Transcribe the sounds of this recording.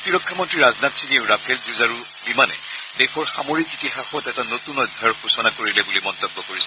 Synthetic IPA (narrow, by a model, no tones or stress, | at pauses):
tiɹɔkʰːamɔntɹiɹaznatsinieʊɹapʰelzuzaɹu | bimanɛ̰ | dɛxʰɔɹxa̰moɹikzitixaxɔtɛtanotunɔjdʱajɔɹxusɔnakoɹilɛbulimɔnt̪ɔbːɔkoɹisɛ